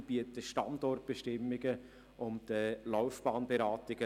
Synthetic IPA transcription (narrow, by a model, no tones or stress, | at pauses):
b̥iətəʃtɑ̰ndɔrt̚b̥eʃtɪmːɪɡə | ʔʊmd̥əlaʊfb̥ɑːnbeɾɑːtɪɡ̥ə